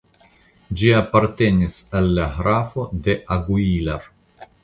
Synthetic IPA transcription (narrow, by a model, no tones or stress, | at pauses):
d͡ʒiapaɾte̞nisalːahɾafo̞de̞ʔaɡuilaɾ